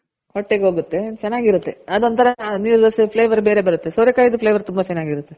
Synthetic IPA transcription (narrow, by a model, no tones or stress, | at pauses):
hoʈːeɡeɦoːɡut̪ːe̞t͡ʃɛnːaːɡiɾut̪ːe̞ɐd̪ont̪ʰɐɾɐniːɾd̪ɐspʰleːʋɐɾbe̞ːɾe̞bɐɾut̪ːe̞soːɾekːaːjid̪upʰleːʋɐɾt̪umbɐt͡ʃɛnːaːɡiɾut̪ːe